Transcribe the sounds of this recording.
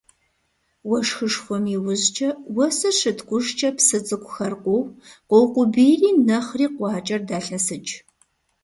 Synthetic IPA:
wɔʂxɨʂxʷɔmiwʊzt͡ʃʼɐwɐsɐʂɨtkʷʼʊʃt͡ʃʼɐpsɨt͡sʼɨkʷʼʊxɐrqʷʊwqʷɔwqʷʊbijriːnɐχriːqʷɑːt͡ʃʼɐrdaːɬɐsɨt͡ʃʼ

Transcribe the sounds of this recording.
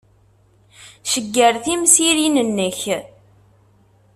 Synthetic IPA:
ʃəɡːəɾθimsiɾinənːəç

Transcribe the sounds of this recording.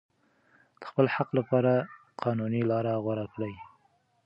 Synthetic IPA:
d̪̥ə̥xpəlhaqlapɑɾa | qʰɑnunilɑɾaɣwaɾaklaj

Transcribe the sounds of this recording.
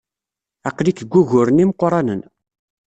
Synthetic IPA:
æqːlikəɡʷːuʝʊɾənimqɾˤɑnən

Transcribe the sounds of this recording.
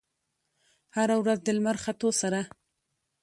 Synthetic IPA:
haɾawɾazd̪əlmaɾxat̪osaɾa

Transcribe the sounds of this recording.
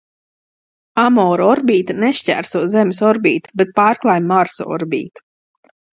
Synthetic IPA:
amɔːɾɔɾbʲiːt̪aneʃcʲæ̰ːɾsuɔzemʲisɔɾbʲiːt̪u̥bet̪̚paːɾklˠajmmaɾsɔ̰ɔ̰ɾbʲḭːt̪u̥

